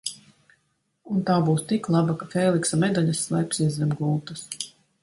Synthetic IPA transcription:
unt̪aːbuːst̪iklˠabakafeːlˠiksamed̪aʎʲasːlˠɛpsiɛzʲɛmɡuːt̪as

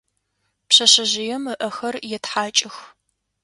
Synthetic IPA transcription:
pɕɐɕɐʑɪjɛmɨʔɐxɐrjɛtħaːt͡ʃʼɪx

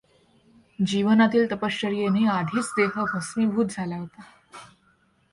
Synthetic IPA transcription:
d͡ʑiʋənat̪iːlt̪əpəsəɾijenead̪ʱiːt͡sd̪eɦəbʱəsʋiːbʱuːt̪̚d͡zʱalaɦot̪a

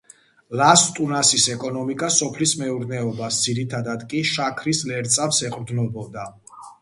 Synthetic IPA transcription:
last̪ʼunasisɛkʼɔnɔmikʼasɔpʰlismɛuɾnɛɔbasd̪ziɾit̪ʰad̪ad̪kʼiʃakʰɾislɛɾt̪sʼafsɛqʼɾd̪nɔbɔd̪a

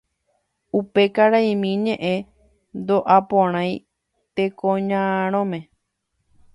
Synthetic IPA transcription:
upe̞kaɾaj̃mĩɲẽʔẽ̞ | nd̪oʔapõɾ̃ãj̃ | t̪e̞kõɲãɾ̃õmẽ

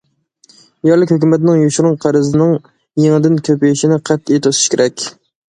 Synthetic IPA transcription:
jɑɾlˠɪkʲhøkʲymɛt̪ɪnɪŋjoʃuɾʊŋqʰæɾɨzɪnɪŋ | jeŋɨd̪ɪnkʲʰøpijiʃɪnɪqʰɛt̪ːejt̪ʰosɨ̥ʃkʲʰeɾɛkʲ

